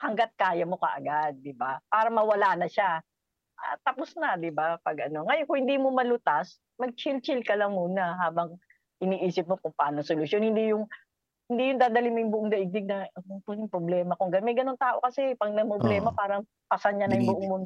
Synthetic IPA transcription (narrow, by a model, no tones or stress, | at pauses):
hɐŋɡat̪̚kaːjɐmo̞kɐ̰ʔɐ̰ɡad̪̚ːɪbapaːɾɐmɐwɐlaːnɐʃa | ʔa̰t̪ɐposnɐd̪ɪbapɐɡʔɐno̞ŋɐjonkʊŋhɪnd̪iːmomɐlʊt̪as | mɐɡ̚t͡ʃɪlt͡ʃɪlkɐlɐŋmuːnɐɦaːbɐŋ | ʔɪniːʔiːsɪp̚mokʊŋpɐʔaːnosolʊsjonhɪnd̪ijʊŋ | hɪnd̪ijʊŋd̪aːd̪ɐliŋmojʊŋbʊʔoŋd̪ɐʔɪɡ̚d̪ɪɡ̚nɐnopʊnɪŋpɾoblɛːmɐkʊŋɡɐnmɐjɡɐnont̪aːʔo̞̰kɐsɛpɐŋnɐŋpɾoblɛːmɐpaːɾɐŋ | pɐsɐnɲɐnɐjʊŋbʊʔoŋmo